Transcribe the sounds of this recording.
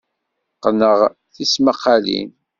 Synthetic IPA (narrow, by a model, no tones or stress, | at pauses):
qːənəʁθisməqːalḭn